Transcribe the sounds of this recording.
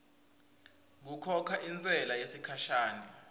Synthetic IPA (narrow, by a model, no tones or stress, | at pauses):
k̬ukʰɔkʰaʔint͡sʼɛlajesikʰaʃaːnɛ